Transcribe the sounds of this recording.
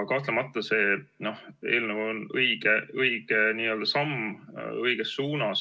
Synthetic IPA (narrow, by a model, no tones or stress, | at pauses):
kɑht̪lemɑt̪ːˑɑse̞ːno̞he̞̰ːlnevuonɤjɡ̥eɤjɡ̥eniːø̞ːld̪̥ɑsɑmɤjɡ̥esːuːnɑs